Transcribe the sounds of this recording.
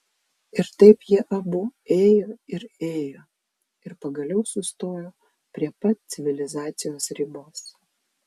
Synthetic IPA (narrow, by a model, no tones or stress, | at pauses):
ɪɾt̪ɐɪpjiɛʔɐbʊeːjoːɪɾeːjoː | ɪɾpɐɡɐlʲɛʊsʊst̪oːjoː | pʲɾʲiɛpɐt̪t̪sʲɪʋʲɪlʲɪzɑːt̪sʲɪjoːsɾʲiboːs